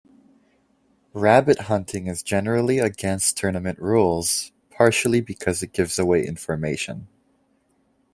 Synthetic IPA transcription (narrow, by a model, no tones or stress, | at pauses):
ɹæbɨt̚ɦʌ̃ntʰɪ̃ŋɨzd͡ʒɛnə˞l̩ˠiɨɡɛ̃nstʰɜ˞nɨmɨ̃nʔɹulˠz̥ | pʰɑɹʃl̩ˠibɨkʰʌzɨt̚ɡ̥ɪvzəweɪʔɪ̰̃ɱfə˞meɪʃɨ̃n